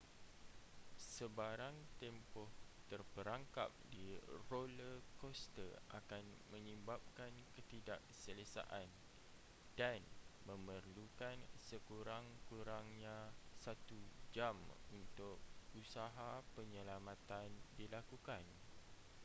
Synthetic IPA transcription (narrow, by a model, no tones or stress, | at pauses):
səbaɾaŋt̪ɛmpɔht̪ərpəɾaŋka̰p̚diroləkɔst̪əʔa̰kanmə̃ɲə̃mbap̚kankət̪idaʔsələsa̰ʔan | d̥anmə̃mərlukansəkuɾaŋkuɾaŋɲãsat̪ud͡ʒamunt̪ʊk̚usaɦapəɲə̃lamãt̪andilakukan